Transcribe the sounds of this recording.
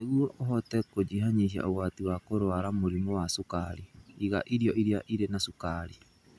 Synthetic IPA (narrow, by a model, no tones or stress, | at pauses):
eɣuɔʔoɦɔtɛkod͡ʒiɦaɲiʃia̰ʔoɣwatiwakoɾowaɾamoɾimɔwasokaɾiiɣa̰ʔiɾjɔʔiɾiaʔiɾenasukaɾi